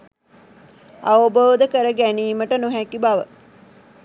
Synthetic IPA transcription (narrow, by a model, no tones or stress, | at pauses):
aʋoboːd̪əkəɾəɡæniːməʈənuɦækibaʋə